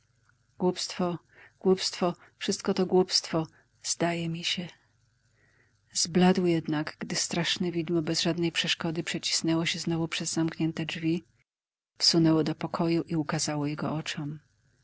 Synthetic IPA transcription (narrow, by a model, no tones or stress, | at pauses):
ɡ̥wupst̪fɔ | ɡ̥wupst̪fɔ | fʂɘst̪̚kɔt̪ɔɡwupst̪fɔ | z̥d̪ajɛmʲiɕɛ | zblad̪wjɛd̪naɡɡd̪ɘst̪ɾaʂnɛvʲid̪mɔbɛzʐad̪nɛjpʂɛʂkɔd̪ɘpʂɛt͡ɕi̥snɛwɔɕɛznɔvupʂɛzːamkɲɛnt̪ɛd͡ʐvʲi | fsunɛwɔd̪ɔpɔkʰɔjuʔiukazawɔjɛɡɔ̰ʔɔt͡ʂɔm